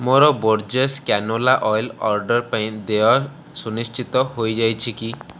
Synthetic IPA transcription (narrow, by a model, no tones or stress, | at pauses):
moɾɔboɾd͡ʒeskanolaʔɔjlɔɾɖɔɾpaĩd̪ewa | sunisʈʰit̪ɔɦojd͡ʒajt͡ʃʰiki